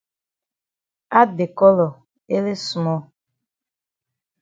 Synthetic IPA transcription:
a˦dɪ˨kɔ˦lɔ˨ | e˦le˦su˨mɔ˦

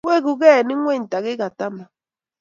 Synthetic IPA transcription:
we˦˨ɡu˨ɣɛ˦˨nɪ˦ŋʷ˦e˦˨ɲ̩˨ta˨ɣɪ˦ɡa˨ta˦ma˨

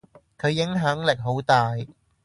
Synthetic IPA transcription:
kʰɵ˨˧ɥjɪ˨˥ŋɦɐ˨˥ŋlɪ˨k̚ɦo˨˥wt̪aː˨j

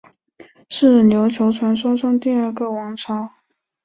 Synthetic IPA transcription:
ʂɻ̩˥˩njo˧˥ʊt͡ɕʰjo˧˥ʊt͡sʰwa˧˥nʂwɑ˥ʂɑ˥˧ŋt̪i˥˧ə˞˥˩ɡə˨˩wɑ˧˥ŋʈ͡ʂʰɑ˧˥˦ʊ

